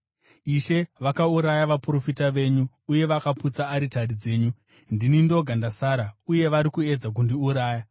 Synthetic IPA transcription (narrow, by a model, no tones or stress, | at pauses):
iʃe̞ʋakauɾajaʋapuro̞fitaʋe̞ɲuːje̞ʋakaput͡saːɾitaɾid͡ze̞ːɲu | ndinindo̞ɡʱandasaːɾauje̞ʋaɾikue̞d͡zak̬undiuɾaːja